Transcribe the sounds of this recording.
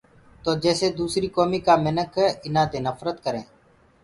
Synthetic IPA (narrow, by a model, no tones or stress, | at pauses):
t̪oːd͡ʒɛːseːd̪uːsɾiːkoːmiːkaːmɪnəkʰːɪnãːd̪eːnəfɾət̪kəɾẽː